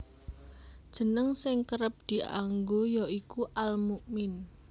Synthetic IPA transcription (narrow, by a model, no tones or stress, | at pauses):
d̥ʒ̥ə̤nəŋsɪŋkəɾəp̚d̪̥i̤ʔa̰ŋɡojaʔikuʔalmuʔmɪn